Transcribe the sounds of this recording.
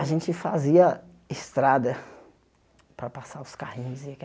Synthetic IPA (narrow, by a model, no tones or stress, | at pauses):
aʒẽnt͡ʃɪfaziɐ | ɪst̪ɾad̪ɐ | pɾɐpasaʊskahĩɲʊzɪakɛ